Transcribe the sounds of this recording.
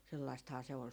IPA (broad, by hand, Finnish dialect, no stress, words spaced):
selːɑistɑhɑː se ol